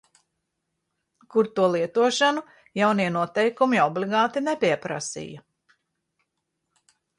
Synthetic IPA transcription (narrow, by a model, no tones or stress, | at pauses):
kuɾt̪uɔlˠiɛt̪uɔʃanu | jawniɛnuɔt̪ɛjkumiɔbliɡaːt̪inepiɛpɾa̰sḭjɐ